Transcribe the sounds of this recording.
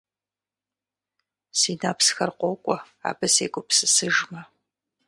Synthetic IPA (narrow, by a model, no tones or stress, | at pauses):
siːnaːpsxɐrqʷɔːkʷʼɔ | a̰ːbɐsḛːɡʷʊpsɨsɨʒmɐ